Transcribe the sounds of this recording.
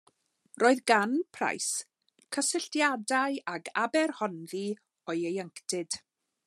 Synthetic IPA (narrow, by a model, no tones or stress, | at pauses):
rʔoːɨðɡanpʰra̰js | kʰəsɪɬtjadajaɡabɛrhɔnði | ɔjejəŋktɪd̥